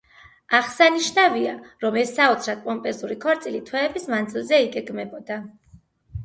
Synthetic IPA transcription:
aʁsaniʃnaviaɾɔmɛsːaɔt̪sʰɾat̪̚ʼpʼɔmpʼɛɾzuɾikʰɔɾt̪sʼilit̪ʰwɛːbismand̪zilˠzɛiɡɛɡmɛbɔd̪a

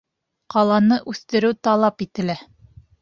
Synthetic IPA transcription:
qɑlˠɑnɤʔʉθt̪ɘ̆ɾɘwt̪ɑlˠɑpit̪ɘ̆læ

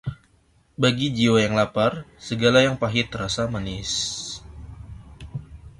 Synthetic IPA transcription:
baɡid͡ʒiojaŋlaparsəɡalajaŋpaɦɪt̪əɾasamanɪs

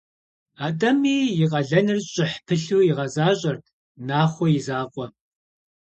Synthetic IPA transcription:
aːdɐmiːjɪqʼɐɮɐnɨrɕʼɪħpʰɨɬuːjɪʁɐzaːɕʼɐr | naːχʷɔjɪzaːqʷʼɔ

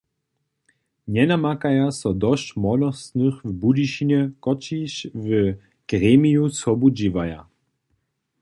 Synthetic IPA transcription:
ɲɛnamakajasɔd̪ɔɕt͡ɕmɔlɔst̪nɨxvbudiʃinɛkɔt͡ɕiɕvə | ɡ̥ʁɛmʲijusɔbud͡ʑivaja̰

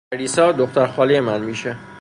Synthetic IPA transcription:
ɾiːsɒːd̪oxt̪æɾxɒːlijemænmiːʃe

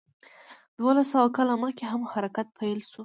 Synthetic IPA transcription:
d̪wɑlasawakɑlaməxkeɦamhaɾakat̪̚pʰajlʃu

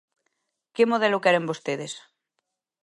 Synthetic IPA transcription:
kemoð̞ɛlokɛɾembost̪eðes

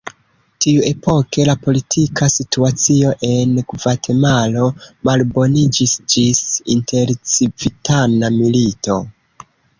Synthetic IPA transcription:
tiue̞po̞ke̞lapo̞litʰikʰasituat͡sio̞ʔe̞nɡvatʰe̞malo̞malbo̞nid͡ʒisd͡ʒisinte̞ɾt͡sivitanamilito̞

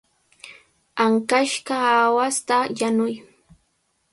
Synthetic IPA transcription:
aŋkaʃkaːwast̪ajanʊj

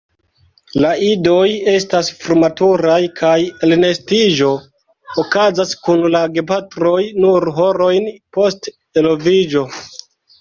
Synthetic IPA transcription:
laido̞je̞s̬tasfɾumatuɾajkʰajelne̞stiʒo̞ː | kazaskunlaɡe̞patɾo̞jnuɾɦo̞ɾo̞jnpo̞st | elovid͡ʒo̞

